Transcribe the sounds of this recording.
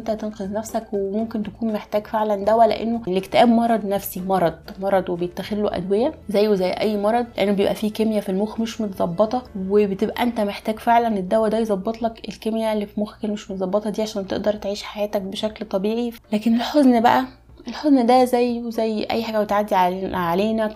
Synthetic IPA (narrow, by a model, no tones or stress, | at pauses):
nt̪æt̪enqezˤnæfsækwemomkent̪ækuːnmeħt̪æːɡfeʕlænd̪æwːælḛʔḛnːolekt̪eʔæːbmɑɾˤɑd̪ˤnæfsimɑɾˤɑd̪̥̚mɑɾˤɑd̪ˤwebejet̪ːæxelːoʔæ̰d̪wejæzæjːezæjːʔæjːmɑɾˤɑd̪ˤleʔenːobejebʔæ̰fiːkemjæfilmoːxmeʃmot̪zˤɑbːɑt̪ˤɑwebet̪ebʔæ̰ʔent̪æmeħt̪æːɡfeʕlæned̪ːæwːæd̪æjezˤɑbːet̪ˤlɑkelkemjælːifilmoxæ̥kelmeʃmot̪zˤɑbːet̪ˤɑd̪iːʕaʃæːnt̪ḛʔd̪ɑɾˤt̪ʕiːʃħajæːt̪æk̚beʃæklt̪ˤɑbiːʕilæːkenelħoznbæ̰ʔæ | ʔelħoznd̪æzæjːzæjːʔæ̰jːħaːɡæwet̪ʕad̪ːiʕʕaleːnæk